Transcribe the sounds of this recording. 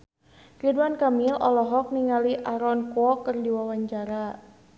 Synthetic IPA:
riduankamilʔɔlɔɦɔk̚niŋaliʔaɾɔnkuɔkərdiwawaɲt͡ʃaɾa

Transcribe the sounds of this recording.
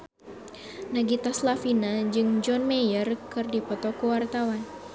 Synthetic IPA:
naɡit̪aslafinad͡ʒɨŋd͡ʒɔnmɛjərkɨrdipɔt̪ɔkuwart̪awan

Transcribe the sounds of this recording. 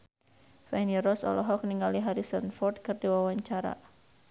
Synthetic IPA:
fɛniɾɔsɔ̰lɔɦɔk̚niŋaliɦaɾisɔnfɔrd̪̚kɨrdiwawaɲt͡ʃaɾa̰

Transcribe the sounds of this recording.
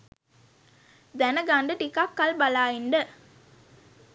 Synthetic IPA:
d̪ænəɡaɳɖəʈikakːɐlbɐlaːjiɳɖə

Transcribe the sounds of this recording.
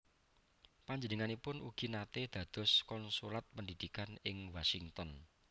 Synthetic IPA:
paɲd͡ʒənəŋanipʊnʔṵɡ̥i̤nat̪ed̪̥ä̤d̪̥ɔ̤skɔnsulat̪̚pəndid̪̥ikanɪŋwasiŋt̪ɔn

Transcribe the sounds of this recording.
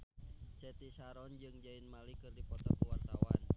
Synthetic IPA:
t͡ʃɛt̪isaɾɔnd͡ʒɨŋd͡ʒainmalikɨrdipɔt̪apuwart̪awa̰n

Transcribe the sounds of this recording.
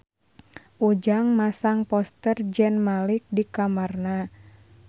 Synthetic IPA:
ʔud͡ʒaŋmasaŋpɔst̪ərd͡ʒɛnmalik̚dikamarna

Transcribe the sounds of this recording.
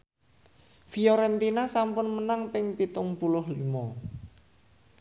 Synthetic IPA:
fiɔɾɛnt̪inasampʊnmənaŋpɪŋpit̪ʊŋpulʊhlimɔ

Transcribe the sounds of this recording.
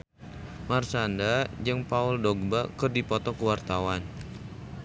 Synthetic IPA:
marsandad͡ʒɨŋpaʊldɔɡ̚bakɨrdipɔt̪ɔkəwart̪awan

